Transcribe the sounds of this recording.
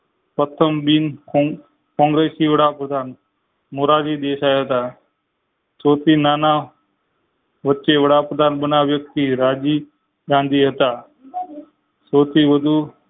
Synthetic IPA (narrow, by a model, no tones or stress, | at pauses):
pət̪ʰːəmbiːn | kɔ̃ŋɡɾesiʋəɽapɾəd̪ʱan | moɾad͡ʑiːd̪eɕajɦət̪a | sot̪iːnana | ʋətːt͡ʃeʋəɽapɾəd̪ʱanbənaʋjək̚t̪iɾad͡ʑiː | ɡãnd̪ʱiːɦət̪a | sot̪iːʋəd̪ʱu